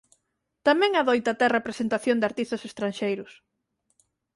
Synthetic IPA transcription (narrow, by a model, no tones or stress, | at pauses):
t̪amɛ̃ŋaðojt̪at̪ɛrepɾesent̪aθjond̪aɾt̪ist̪asest̪ɾanʃejɾʊs